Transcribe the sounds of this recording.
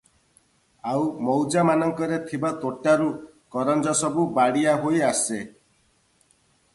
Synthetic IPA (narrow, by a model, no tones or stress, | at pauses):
awmɔwd͡ʒamanɔŋkɔɾet̪ʰibat̪oʈːaɾu | kɔɾɔnd͡ʒɔsɔbubaɽijaɦojase